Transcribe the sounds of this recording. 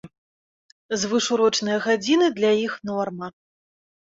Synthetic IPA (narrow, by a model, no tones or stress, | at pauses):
zvɨʂuɾɔt͡ʂnɨjɐɣad͡zʲinɨd̪lʲajixnɔrmɐ